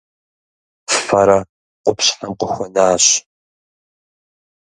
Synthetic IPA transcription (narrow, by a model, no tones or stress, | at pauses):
ffɐɾɐ | qʷʊpɕħamqʷʊxʷɔnaːɕ